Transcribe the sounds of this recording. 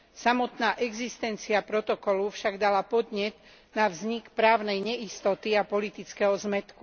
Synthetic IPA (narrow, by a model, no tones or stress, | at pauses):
samɔt̪naːʔɛɡzist̪ɛnt͡siapɾɔt̪ɔkɔlufʃaɡd̪alapɔd̪ɲɛd̪ | navzɲikpɾaːʊnɛjɲɛist̪ɔt̪iapɔlit̪it͡skɛɦɔzmɛt̪ku